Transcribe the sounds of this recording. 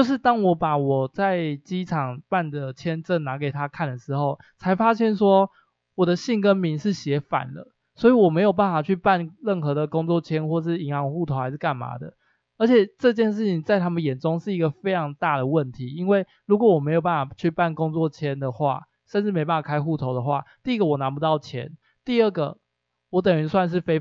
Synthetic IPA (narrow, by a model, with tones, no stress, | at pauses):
jo˥˧ʊʂ̬ɻ̩˥˩t̪ɑ˦˥ŋwɔ˧˦˥pa˨˩wɔ˨˩t͡sa˥˨˩ɪt͡ɕi˦˥ʈ͡ʂʰɑ˨˩ŋpa˥˨˩nd̪ə˩t͡ɕʰjɛ˦nʈ͡ʂə˥˨˩ŋna˧˥k̬e˨˩ɪt̪ʰa˦kʰa˥˩nd̪ə˩ʂɻ̩˧˥xo˥˩ʊ | t͡sʰa˧˥ɪfa˥ɕjɛ˥˩nʂwɔ˦˥ | wɔ˨˩d̪ə˦ɕi˥˨˩ŋkə˦˥nmi˧˥ŋʂɻ̩˥˩ɕjɛ˨˥fa̰˨˩nlə̰˦ | swɔ˧˥i˨wɔ˨˩me˧˥jo˨˩p̬a˥˩nfa˨˩t͡ɕʰy˥˧pa˥˧nɻə˥˩nxɤ˧˥˦d̪ə˨˩kʊ˥˦ŋt͡swɔ˥˨˩t͡ɕʰjɛ˦nxwɔ˥˧ʂɻ̩˥˩i˨˩ŋɑ˧˥ŋ˨xu˥˩t̪ʰo˨˦xa˧ɪʂɻ̩˥˩ka˥˩nma̰˨˥d̪ə̰˨ | ə˧˥t͡ɕʰjɛ˨˩ʈ͡ʂɤ˥˧t͡ɕjɛ˥˧nʂ̬ɻ̩˥˩t͡ɕʰi˨ŋt͡sa˥˩ɪt̪ʰa˥mə˨njɛ˨˩nʈ͡ʂʊ˦ŋʂɻ̩˥˩i˧˥ɡə˨fe˥ɪʈ͡ʂʰɑ˧˥ŋt̪a˥˩d̪ə˩wə˥˨˩nt̪ʰi˨˦i˦nwe˥˩ɪ | ɻu˧˥k̬wɔ˨˩wɔ˨˩me˧˥ɪjo˨˩ʊpa˥˩fa˨˩t͡ɕʰy˥˧pa˥˩nkʊ˥ŋt͡swɔ˥˨t͡ɕʰjɛ˦˥nd̪ə˨xwa̰˥˩ | ʂə˥˧nʈ͡ʂɻ̩˥˩me˧˥pa˥˩fa˨˩kʰa˥ɪxu˥˩t̪ʰo˧˥ʊd̪ə˨xwa̰˥˩t̪i˥˨i˦˥ɡə˨wɔ˨˩na˧˦˥pu˧˦t̪ɑ˥˩ʊt͡ɕʰjɛ̰˧˦n | t̪i˥˧ə˥˩ɡə˩ | wɔ˨˦˥t̪̬ə˨˩ŋy˧˥swa˥˧nʂ̬ɻ̩˥˩fe˥ɪ